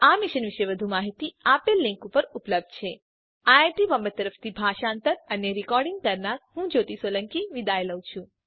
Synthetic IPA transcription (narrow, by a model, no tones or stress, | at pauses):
amiʃənʋiʃeʋəd̪ʱumaɦit̪iapelːɪ̃ŋkupəɾupləb̚d̪̚t͡ʃʰe | aaʈiʋəmbət̪ːəɾəft̪ʰibʱaʃaːnt̪əɾəneɾikɔɾɖiŋɡ̚kəɾnaɾhũd͡ʒot̪isoləŋkiʋid̪aeləʋt͡ʃʰũ